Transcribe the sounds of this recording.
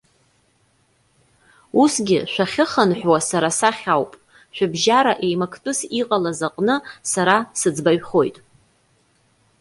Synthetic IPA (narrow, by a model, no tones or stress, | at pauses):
usɡʲɪʃʷᶣaχʲɪχənħʷᶣwasaɾasaχʲawpʼ | ʃʷᶣʊbʒaɾaʔe̞jmakʰtʼʊsiqʼalazaqʼnɨsaɾasɨd͡zbaɥχo̞jtʼ